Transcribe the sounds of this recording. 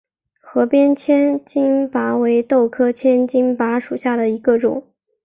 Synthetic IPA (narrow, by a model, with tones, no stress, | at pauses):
xɤ˧˥pjɛ˥nt͡ɕʰjɛ˥nt͡ɕi˥ŋpa˧˥we˧˥ɪt̪o˥˩ʊkʰɤ˥t͡ɕʰjɛ˥nt͡ɕi˥ŋpa˧˥ʂu˨˩ɕja˥˩d̪ə˩i˧˥ɡə˧ʈ͡ʂʊ̰˨˩˦ŋ